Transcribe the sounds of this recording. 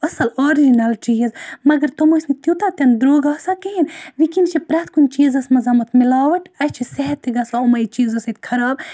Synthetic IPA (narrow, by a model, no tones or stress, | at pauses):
ɐsɐloːɾid͡ʒinɐlt͡ʃizmɐɡɐɾt̪omosʲnit̪jut̪at̪ɐnd̪ɾoːɡasakeɦinʋikint͡ʃʰipɾɐt̪ʰkunʲt͡ʃiːzɐsmɐzɐmɐt̪ʰmilaːʋɐʈɐjt͡ʃʰisɛɦɐt̪ːiɡɐsaumɐit͡ʃiːzɐsɐt̪kʰɐɾaːb̚